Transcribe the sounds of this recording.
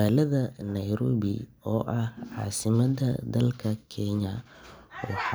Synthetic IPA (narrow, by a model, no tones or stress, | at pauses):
aːlɐðɐnɐjɾɔːβɪ̰ | ɔːʔɐhʕɑ̰ːsɪmɐd̪ɐd̪ɐlkʰɐkʰɛɲɐ | wħ